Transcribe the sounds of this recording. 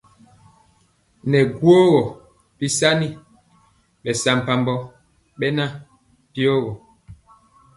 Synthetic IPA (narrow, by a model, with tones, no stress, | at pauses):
nɛ˨ɡwo˦ɣɔ˨ | pi˦sa˦ni˦ | ɓɛ˨sa˦m̩˨pa˦mbɔ˦ | ɓɛ˦na˦ | pi˦o˦ɣɔ˨